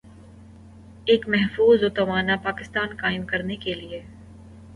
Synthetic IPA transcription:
eːkmɛɦfuːzot̪ɐʋaːnapaːkɪst̪aːnkaːɪmkɐɾnekelie

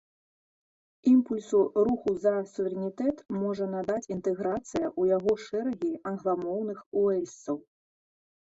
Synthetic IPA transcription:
impulʲsuɾuxuzɐsuvʲɛɾɛnʲit̪ɛt̪mɔʐɐnad̪at͡sʲint̪ɛɣɾat̪sɨjɐʔujaɣɔʂɛɾɐɣʲiɐnɣlˠamɔwnɨxuɛlʲst̪sɐw

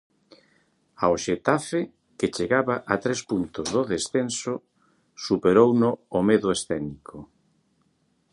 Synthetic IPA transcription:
aoʃet̪afe | ket͡ʃeɣaβaʔat̪ɾespunt̪ʊzðoðesθensʊ | supeɾownʊːmeðʊesθɛnikʰo

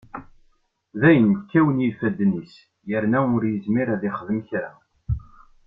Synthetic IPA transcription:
ðæjənt̪kːæwənjifæd̪ːnis | jəɾnæʊɾjəzmiɾæðiχəðəmçɾæ

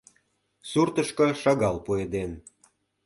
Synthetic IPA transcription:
surt̪ə̆ʃkɤ̆ʃɑɣɑlpued̪en

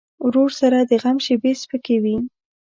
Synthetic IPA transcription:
ɾoɾsaɾad̪əɣamʃebespəkewi

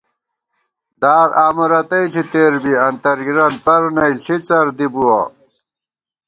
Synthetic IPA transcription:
d̪aːɾʔaːmɐɾɐt̪ɐiɬit̪eːɾbiɐnt̪ɐɾɡiɾɐnd̪̚pɐɾnɐiɬit͡sɐɾd̪ibuwɐ̰

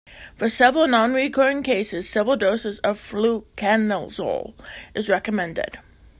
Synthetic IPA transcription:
fə˞sɛvɹl̩ˠnɑ̃nɹikʰɜ˞ɪ̃ŋkʰeɪsɨz̥sɛvɹl̩ˠdoʊsɨzʌv̥flukʰæ̃nəl̩ˠzo̰lˠʔɨzɹɛkəmɛ̃ndɪ̰d̥

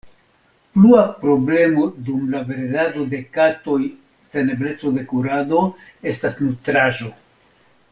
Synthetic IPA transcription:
pluapɾo̞ble̞mo̞dumlave̞ɾedado̞d̪e̞kato̞j | se̞neble̞t͡so̞de̞kuɾado̞e̞stasnutɾaʒo̞

